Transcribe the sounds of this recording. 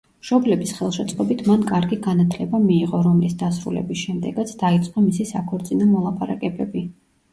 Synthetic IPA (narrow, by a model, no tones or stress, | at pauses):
mʃɔblɛbisχɛlˠʃɛt̪sʼqʼɔbit̪ʰmankʼaɾɡiɡanat̪ʰlɛbamiːʁɔɾɔmlisd̪asɾṵlɛ̰bisʃɛmd̪ɛɡat̪sʰd̪ait̪sʼqʼɔmisisakʰɔɾt̪sʼinɔmɔlˠapʰʼaɾakʼɛbɛbi